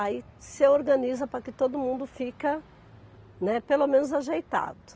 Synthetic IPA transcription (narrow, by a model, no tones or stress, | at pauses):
asɪoɾɡɐ̃nizɐpɾɐkɪt̪od̪ʊmũnd̪ʊfikɐ | nɛpelomẽnʊzaʒejt̪a̰d̪ʊ